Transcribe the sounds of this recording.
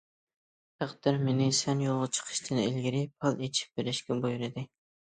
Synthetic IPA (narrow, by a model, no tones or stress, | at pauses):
t̪ʰæqd̪ɪɾmenɪsɛnjolˠʁət͡ʃʰə̥qʰə̥ʃt̪ʰɨnḛlɡʲiɾɪpʰɑlˠet͡ʃʰi̥p̚beɾɪʃkʲɛbojuɾɨd̪ɪ